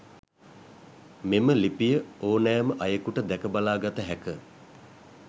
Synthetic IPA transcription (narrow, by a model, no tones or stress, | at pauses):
meməlipijəoːnæːməʔajəkuʈəd̪ɛkəbalaːɡat̪əɦɛkə